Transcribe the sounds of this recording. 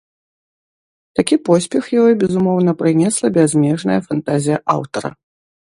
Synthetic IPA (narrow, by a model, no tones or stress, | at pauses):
t̪akʲipɔsʲpʲɛxjaɔjbʲɛzumɔwn̪ɐpɾɨnʲɛslˠɐbʲɛzʲmʲɛʐnɐjɐfant̪azʲijɐʔawt̪ɐɾɐ̰